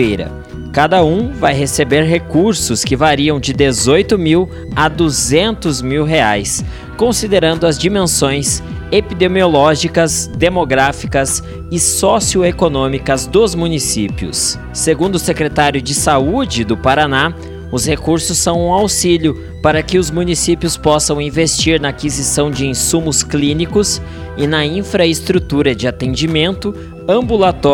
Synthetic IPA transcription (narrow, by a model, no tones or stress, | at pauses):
ejɾɐ̰ | kad̪ɐũvajɦesebeɾɦekuɾsʊskɪvaɾiɐ̃w̃d͡ʒɪd̪ezojt̪ʊmiw | ɐd̪uzẽnt̪ʊzmiwɦeajs | kõsid̪eɾɐ̃nd̪ʊɐzd͡ʒimẽsõj̃s | epid̪emiolɔʒikɐzd̪emoɡɾafikɐs | ɪsɔsiʊekonõmikɐzd̪ʊzmũnisipiʊ̰sː | eɡũnd̪ʊsekɾet̪aɾjʊd͡ʒɪsaud͡ʒɪd̪ʊpaɾana | ʊshekuɾsʊsːɐ̃w̃ũawsiʎʊ | paɾɐkɪʊzmũnisipjʊspɔsɐ̃w̃ĩvest͡ʃiɾnɐːkizisɐ̃w̃d͡ʒɪĩsũmʊsklĩnikʊs | ɪnɐĩfɾɐest̪ɾut̪uɾɐd͡ʒɪat̪ẽd͡ʒimẽnt̪ʊ | ɐ̃mbulat̪ɔ